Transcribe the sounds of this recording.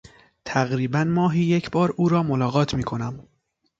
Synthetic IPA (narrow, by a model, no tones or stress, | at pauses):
t̪ʰæɣɾiːbænmɒːɦiːjecʰbɒːɾuːɾɒːmolɒːɣɒːt̪ʰmiːkʰo̞næm